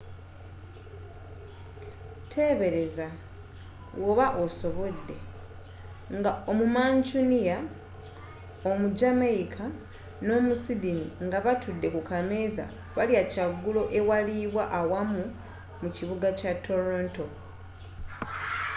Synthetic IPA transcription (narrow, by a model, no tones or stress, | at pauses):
tʰe̞ːβe̞ɾe̞za | woβaʔo̞so̞βo̞dːe̞ | ŋɡaomumaːɲt͡ʃunija | omud͡ʒameikʰa | no̞musidinḭŋɡaβatudːe̞kukameza̰ | βaliacaɡːulo̞ʔe̞waliβwaʔawamu | muciβuɡacatʰːo̞ɾoːnto̞